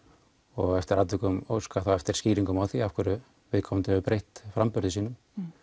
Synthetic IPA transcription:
ɔɣɛft̪ɪɾaːt̪vɪkʏmo̰wskaθawɛft̪ɪɾ̥sciːɾiŋkʏmawθiafkʏɾʏ | vɪðkʰɔmant̪ɪʏpɾejht̪fɾampʏɾðɪsiːnʏm

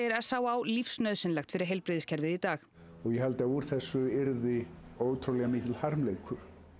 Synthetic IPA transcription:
ɛɾaðsaːwaaːwlifsnœɥðsɪnlaxt̪fɪɾɪɾ̥ɦejlpɾɪːðɪscʰɛɾvɪðit̪aːx | ɔɣjɛhalt̪auɾ̥θɛsːʏɪɾðɪoːwt̪ʰɾowlɛɣamiːt̪lhaɾmleːjkʰʏɾ̥

